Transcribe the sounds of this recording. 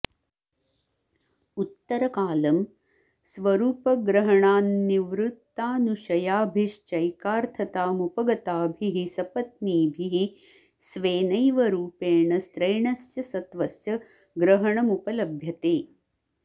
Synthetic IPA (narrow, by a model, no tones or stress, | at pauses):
ut̪ːɐɾɐkaːlɐm | sʋɐɾuːpɐɡɾɐɦɐɳaːnːiʋɾut̪ːaːnuʃɐjaːbʱiʂt͡ʃɐjkaːɾt̪ʰɐt̪aːmupɐɡɐt̪aːbʱiɦisɐpɐt̪̚niːbʱiɦi | sʋeːnɐjʋɐɾuːpeːɳɐst̪ɾɐjɳɐsjɐsɐt̪ʋɐsjɐ | ɡɾɐɦɐɳɐmupɐlɐbʱjɐt̪eː